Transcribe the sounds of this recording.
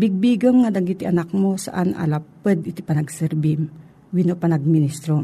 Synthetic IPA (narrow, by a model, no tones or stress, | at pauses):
bɪɡ̚biɡɐmŋad̪ɐŋɡit̪ɪʔɐnak̚mosa̰ʔanʔa̰lapɨd̪ɪt̪ipɐnɐɡsɛɾbim | winopanɐɡ̚mɪnist̪ɾo